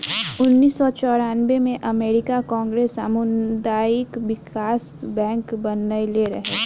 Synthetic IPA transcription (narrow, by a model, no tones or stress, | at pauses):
ʊnːiːsːɔt͡ʃɔːɾaːnʋemẽʔɐmeːɾɪkakɔ̃ːŋɡɾeːsaːmund̪aːjɪkʋɪkaːsbɛ̃ːŋkbɐnːəjleɾɐɦeː